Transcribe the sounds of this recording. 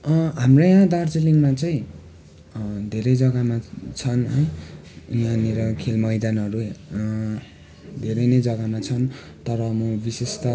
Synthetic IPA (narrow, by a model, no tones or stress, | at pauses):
ɦamrʌjãd̪ard͡ziliŋmat͡sʌĩ | d̪ʱeɾʌjd͡zʌɡamat͡sʰʌnɦʌj | jãneɾʌkʰelmʌjd̪anʌɾu | d̪ʱeɾʌjnʌjd͡zʌɡamat͡sʰʌn | t̪ʌɾʌmubisest̪ʌ